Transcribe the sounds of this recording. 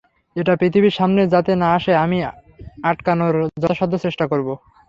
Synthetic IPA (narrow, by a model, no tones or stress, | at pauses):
eʈapɾit̪ʰibiʃamned͡ʑat̪enaaʃeamiaʈkanoɾd͡ʑɔʃɔd̪ʱːot͡ɕeʃʈakoɾbo